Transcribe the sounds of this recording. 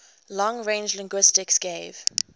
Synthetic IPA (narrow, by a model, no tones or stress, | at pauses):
lɔ̃ŋɹẽɪ̃nd͡ʒlɪ̃ŋɡwɪstɪksɡ̥eɪv̥